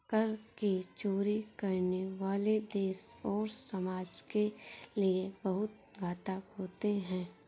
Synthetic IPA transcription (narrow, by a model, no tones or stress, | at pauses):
kəɾkit͡ʃoːɾikɐɾneʋaːled̪eːʃɔːɾsəmaːd͡ʒkeliebɐɦʊt̪̚ɡaːt̪akɦoːt̪eɦɛ̃ː